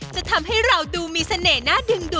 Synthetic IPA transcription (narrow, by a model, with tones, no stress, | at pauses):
t͡ɕa˨˩t̪ʰa˧mɦa˥˩jɾa˧wduː˧miː˧sa˧neː˨˩naː˥˩dɯ˧ŋduː˧˩